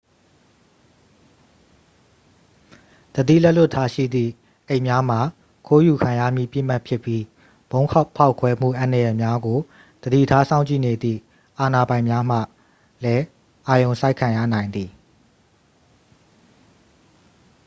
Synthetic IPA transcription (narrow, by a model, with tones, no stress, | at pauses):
d̪̥ədḭ˦˨lɛ˦ʔlʊ˦˨tʰːa˦ʃḭ˦˨d̪ðḭ˦˨ | ʔe˦˨ɪʔmja˦m̥a˨ | kʰo˦ju˨kʰã˨ja̰˦˨m̥jḭ˦˨pjɪ̰˦˨m̥a˦˨pʰjɪ˦˨pːji˦ | b̥õ˦ʊ̃kʰa˦ʊpʰa˦ʊkʰwɛ˦m̥ṵ˦˨ʔã˨nə˨jɛ˨mja˦ɡo˨ | d̪̥ədḭ˦˨tʰa˦sʰã˦ʊ̃ɲt͡ɕḭ˦˨ne˨d̪ðḭ˦˨ | ʔa˨na˨bã˨ɪ̃mja˦m̥ä̰˦˨ | lɛ˦ | ʔa˨jõ˨ʊ̃sʰa˦ɪkʰːã˨ja̰˦˨nã˨ɪ̃nd̪ði˨